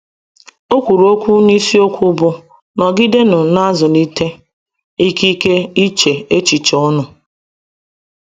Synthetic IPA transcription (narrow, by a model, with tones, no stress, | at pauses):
o˦kʷu˨ɾu˨o˦kʷu˦n˦i˦si˦o˦kʷu˦bʊ˦ | nɔ˨ɡi˦de˦nʊ˨na˦zʊ˨ni˦te˦ | i˦ki˦ke˦i˦t͡ʃe˨e˦t͡ʃi˨t͡ʃɔ˦nʊ˨